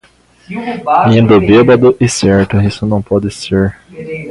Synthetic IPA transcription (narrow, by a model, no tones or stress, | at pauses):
ĩnd̪ʊbebɐd̪ʊʔɪsɛɾt̪ʊisʊnɐ̃w̃pɔd̪ɪseɾ